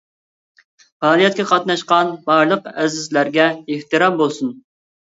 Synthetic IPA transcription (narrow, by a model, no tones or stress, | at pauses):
fɑːlˠijɛt̪̚kʲɛqʰɑt̪nɑʃqɑnbɑɾlˠəqɛzɪzlæɾɡʲɛeht̪ɨɾɑmbolˠsun